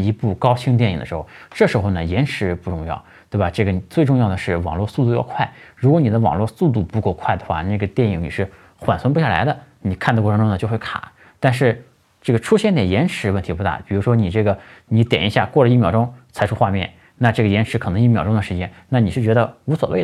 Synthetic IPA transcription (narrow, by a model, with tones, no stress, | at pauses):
i˧˥pu˥˩kɑ˥ʊt͡ɕʰi˥ŋt̪̬jɛ˥˩nḭ˨˩ŋd̪ə˦ʂɻ̩˧˥xo˥˧˩ʊʈ͡ʂɤ˥˩ʂɻ̩˧˥xo˥˧ʊnə˩jɛ˧˥nʂɻ̩˧˥pu˥˧ʈ͡ʂʊ˥˧ŋjɑ˥˩ʊt̪we˥˩ɪba˩ʈ͡ʂɤ˥˩ɡə˩ni˨˩t͡swe˥˧ɪʈ͡ʂʊ˥˧ŋjɑ˥˩ʊd̪ə˩ʂɻ̩˥˩wɑ˨˩ŋlwɔ˥˧su˥˧t̪̬u˥˧jɑ˥˧kʰwa˥˩ɪɻu˧˥kwɔ˧˥ni˨˩d̪ə˦wɑ̰˨˩ŋlwɔ˥˧su˥˧t̪̬u˥˩pu˧˥ko˥˧ʊkʰwa˥˩ɪd̪ə˩xwa̰˥˧na˥˩ɡə˩t̪jɛ˥˩ni˧˩˥ŋnḭ˨˩ʂɻ̩˥˩ | xwa̰˨˩nswə˥npu˧˥ɕja˥˩la̰˧˥ɪd̪ə˧ni˨˩k̪ʰt̪kwɔ˥˩ɤ˧˥ʈ͡ʂʊ˥ŋnə˧t͡ɕjo˥˧xwe˥˩kʰa̰˨˩˦ | t̪a˥˧nʂ̬ɻ̩˥˧ | ʈ͡ʂɤ˥˩ɡə˩ʈ͡ʂʰu˥ɕjɛ˥˧nt̪ɛ˨˩njɛ˧˥nʂɻ̩˧˥wə˥˩nt̪ʰi˧˥pu˧t̪a̰˥˩pi˨˩ɻu˧˥ʂwɔ˥ni˨˩ʈ͡ʂɤ˥˩ɡə˩ni˧˥t̪jɛ˨˩ni˧˥ɕja̰˥˧kwɔ˥˩lə˩i˥˩mjɑ˥˩ʊʈ͡ʂʊ˥ŋt͡sʰa˧˥ɪʈ͡ʂʰu˥xwa˥˧mjɛ̰˥˩n | na˥˧ʈ͡ʂɤ˥˩ɡə˩jɛ˧˥nʂɻ̩˧˥kʰɤ˨˩nɤ˧˥ŋi˥˩mjɑ˥˩ʊʈ͡ʂʊ˥ŋd̪ə˨ʂɻ̩˧˥t͡ɕjɛ˥nna˥˩ni˨˩ʂɻ̩˥˩t͡ɕɥɛ˧˥d̪ə˧u˧˥swɔ̰˨˩we˥˩ɪ˩